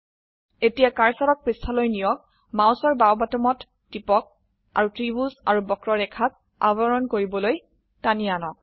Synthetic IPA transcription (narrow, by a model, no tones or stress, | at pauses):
etijakaɹsalɔk̚pɹistʰalojnijɔk̚ | maw̃sɔɹbawbatɔmɔtː | ipɔk̚ | a̰ɹutɹibusaɹubɔkɹɔɹɛkʰak̚ | a̰baɹɔnkoɹibɔloj | tanianɔ